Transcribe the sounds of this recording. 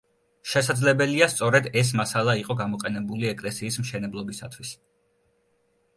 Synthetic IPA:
ʃɛsad̪zlɛbɛliast̪sʼɔɾɛd̪ɛs̬masalˠaiqʼɔɡamɔqʼɛnɛbuliɛkʼlɛsiːsmʃɛnɛblˠɔbisat̪ʰwis

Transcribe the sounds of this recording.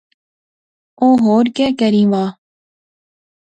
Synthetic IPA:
oːɦoːɾkɛːkəɾĩːʋaː

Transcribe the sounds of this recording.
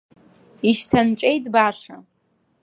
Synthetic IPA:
iʃtʰanʈ͡ʂʷʼejtʼbaʂa

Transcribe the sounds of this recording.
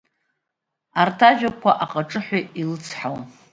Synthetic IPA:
artʰaʒᶣakʷʰaʔaqʼaʈ͡ʂʼɨħʷailɨt͡sʰħawa

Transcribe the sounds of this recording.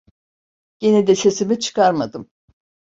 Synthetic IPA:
ɟ̥e̞nid̪ɛse̞simit͡ʃʰɯ̥kaɾmad̪ɯm

